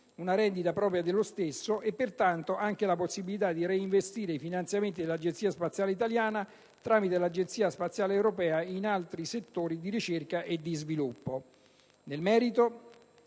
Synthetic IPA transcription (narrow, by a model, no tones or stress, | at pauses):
unaɾɛnd̪it̪apɾɔːpɾjad̪elːost̪esːoʔepːert̪ant̪oʔaŋk̟elaposːibilit̪ad̪ːiɾeiɱvest̪iːɾeifinant̪sjament̪id̪elːad͡ʒent̪siːaspat̪sːjaːleit̪aljaːna | t̪ɾaːmit̪elad͡ʒent̪siːaspat̪sːjaːleːwɾopɛːainalt̪ɾiset̪ːoːɾid̪iɾit͡ʃerkaʔed̪ːizvilupːo | nelmɛːɾit̪o